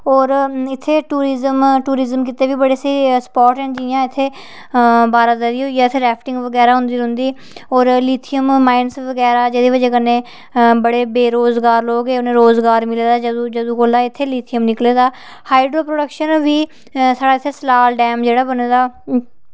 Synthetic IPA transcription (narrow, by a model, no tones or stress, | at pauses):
ɔːɾɪt̪ʰːeːʈuːɾɪzəmʈuːɾɪzəmkɪt̪eːʋiːbəɽeːsiːspɔːʈɛ̃ɳʈd͡ʒijãːɪt̪ʰːeː | baːɾad̪əɾiːɦoːijaːɪt̪ʰːeːɾɛːpʰʈɪ̃ŋɡʋəɡɛːɾaːɦʊ̃nd̪iːlʊ̃nd̪iː | ɔːɾliːt̪ʰijəmːaːɪnsʋəɡɛːɾaːd͡ʒeːd̪eːʋəd͡ʒeːkənːẽː | bəɽeːbeːɾoːzɡaːɾloːɡeːʊnẽːɾoːzɡaːɾmɪleːd̪aːd͡ʒəd͡ʒəd̪ũːkoːlaːɪt̪ʰːeːliːt̪ʰijəmnɪkleːd̪aː | haːɪɖɾoːpɾoːɖəkʃənʋiː | saːɽaːɪt̪ʰːeːsəlaːlɖɛːmd͡ʒeːɽaːbəneːd̪aː